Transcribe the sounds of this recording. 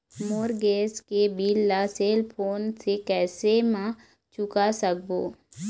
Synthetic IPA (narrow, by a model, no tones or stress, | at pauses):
moːɾɡeːskebiːlːaseːlpʰoːnsekɛːsemã | t͡ʃʊkasək̚boː